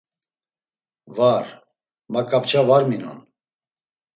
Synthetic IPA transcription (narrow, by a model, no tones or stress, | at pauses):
var | makʼapt͡ʃʰavaɾmina̰n